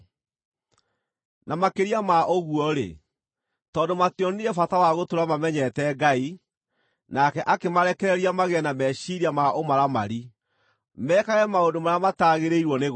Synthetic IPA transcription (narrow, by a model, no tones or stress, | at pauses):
namakeɾiamaʔoɣuɔɾḛ | tɔːdomatjɔneɛfatawaɣotoɾamamɛɲɛtɛɡai | nakɛʔakemaɾɛkɛɾɛɾiamaɣeɛnamɛɕiɾiamaʔomaɾama̰ɾi | mɛːkaɣɛmaondomaɾamataɣeɾeiɾwɔneɣ